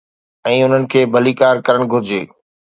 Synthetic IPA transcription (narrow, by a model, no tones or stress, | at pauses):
ɛ̃ːʊn̤ənɪ̆kʰeːbʱɐlikaːɾkɐɾəɽ̃ɡʱʊɾɪd͡ʑḛː